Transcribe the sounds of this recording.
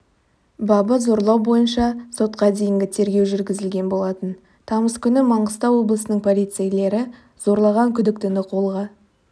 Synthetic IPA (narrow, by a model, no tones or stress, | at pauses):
bɑbəzo̞ɾlˠɑwbo̞jənʃɑso̞t̪qɑd̪e̞jɪŋɡʲɪt̪ʰe̞ɾɡʲe̞wʒʏɾɡʲɪzɪlɡʲe̞nbo̞lˠɑt̪ən | t̪ʰɑməskʲʰʏnɪmɑɴʁəst̪ɑwwo̞blˠəsənəɴpʰo̞lʲit̪sejle̞ɾɪ | z̥o̞ɾlˠɑʁɑŋkʲʰʏd̪ɪk̚t̪ɪnɪqʰo̞lˠʁɑ